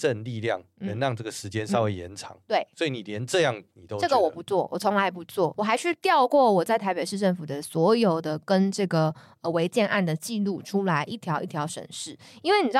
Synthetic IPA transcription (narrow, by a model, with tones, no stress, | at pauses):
ʈ͡ʂə˥˧nli˥˧ljɑ̰˥˩ŋnə˧˦ŋɻɑ˥˧ŋʈ͡ʂɤ˥˩ɡə˩ʂɻ̩˧˥t͡ɕjɛ˥˦nʂɑ˥˧ʊwe˥˩ɪjɛ̰˧˦nʈ͡ʂʰɑ̰˧˥˦ŋt̪we˥˩ɪswɔ˧˥i˨˩ni˨˩ljɛ˧˦nʈ͡ʂɤ˥˧jɑ˥˩ŋni˨˩t̪o˦ʊʈ͡ʂɡə˨wɔ˨˩pu˧˥t͡swɔ˥˩wʔɔ˨˩t͡sʰɔ˧˥ŋla˧˥ɪpu˧˥t͡swɔ˥˩wɔ˨˩xa˧˥ɪʂʰy˥˧t̪jɑ˥˧ʊkwɔ˥˩wɔ˨˩t͡sa˥˩ɪt̪ʰa˧˥pe˨˩ɪʂɻ̩˥˧ʈ͡ʂə˥˩nfu˨˩d̪ə˦swɔ˧˥jo˨˩ʊd̪ə˦kə˦˥nʈ͡ʂɤ˥˩ɡə˩ | ə˩we˧˥ɪt͡ɕjɛ˥˧nʔa˥˩nd̪ə˩t͡ɕi˥˧lu˥˩ʈ͡ʂʰu˥la˧˥ɪʔi˥˩t̪ʰjɑ˧˥ʊʔi˥˩t̪ʰjɑ˧˥ʊʂə̰˨˩nʂɻ̩˥˩i˥nwe˥˩ɪni˨˩˥